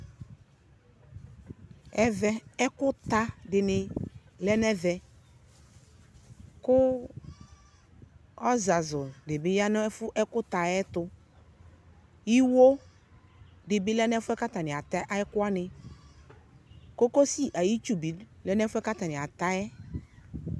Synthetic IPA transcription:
ɛ˦vɛ˦ɛ˦kʊ˦t̪a˦dɪ˨nɪ˨lɛ˦nɛ˦vɛ˨ | kʊ˦ | ɔ˦za˨zʊ˨dɪ˨bɪ˦ja˦n˦fʊ˦ʔɛ˦kʊ˦t̪a˨jɛ˦t̪ʊ˦ | ji˦wo˦ | dɪ˨bɪ˦lɛ˦nɛ˦fʊ˦ɛ˦ka˦t̪a˨nɪ˨a˨t̪a˦ʔa˦jɪ˦kʊ˦a˦nɪ˨ | ko˦ko˦si˦ʔa˨ji˦t͡ʃu˦bi˨lɛ˦nɛ˦fʊ˦ɛ˦ka˦t̪a˨nɪ̃˨a˨t̪a˦ɛ˦

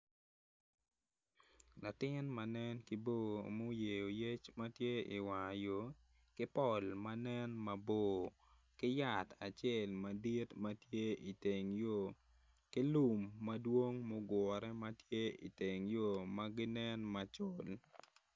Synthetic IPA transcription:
la˨tɪ˦nma˨nɛ˦nki˨bo˦˨mo˦je˨jo˨je˦t͡ʃmɐ˦tje˦ḭ˨wa˨jo˦ | kɪ˦pɔ˨lma˦nɛ˦nmɐ˨bo˨ | kɪ˦ja˨ta˨t͡ʃɛ˦lmɐ˨di˦tmatje˦i˨te˨ŋjo˦˨ | ki˦lu˨mːɐ˦dwo˦ŋmo˦ɡwɔ˨ɾɛ˦mɐtje˦ḭ˨te˨ŋjo˦maɡɪ˦nɛ˦nma˨t͡ʃol

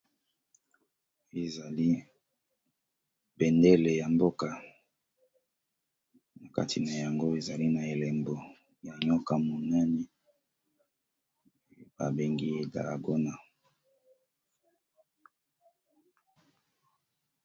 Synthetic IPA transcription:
e˨za˨li˦ | bɛ˨ndɛ˦le˨ja˨mbo˦ka˨ | na˨ka̰˦tʰi˨na˨ja˨ŋɡo˦e˨za˨li˦na˨e˨lɛ˨mbo˨ | ja˨ɲɔ˦ka˨mo˨nɛ˦nɛ˦˨˦ | ba˨be˨ŋɡi˦e˨da̰˨la̰˨ɡo˦na˨

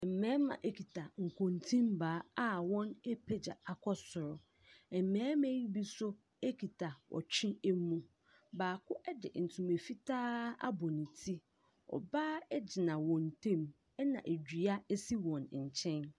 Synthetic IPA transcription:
ɛ˨m̩˨mɛ̃ː˨˦mã̰˨ʔe˦kʰi˨tʰa˨ŋ̩˨kʰõ˨n˨tʰĩ˦mbaː˨˦a˦wɔ̃˦nɛ˦pʰe˦d͡ʑa˨a˨kʰɔ˦sʊ˨ɾʊ˨ | ɛ˨m˨mɛ̃ː˨˦mɛ̃˦ji˦bi˦sʊ˦ | e˦kʰi˨tʰa˨wʔɔ̰˨t͡ɕᶣʰɪ̃˦ɛ˦mũ˦ | baː˨kʰʊ˦ʔɛ˦dɪ̰˨n̩˨tʰũ˨me˨fi˦tʰaː˦a̰˦bɔ˨nĩ˨tʰi˦ | ɔ̰˨ba˦ɛ˦d͡ʑɪ˨nã˨wɔ̃˨n˨tʰẽ˦m | ɛ˦nã̰˨ʔe˨d͡ʑᶣi˨a˦ɛ˦si˦wɔ̃˨nɲ̩˨t͡ɕʰɛ̃˦n

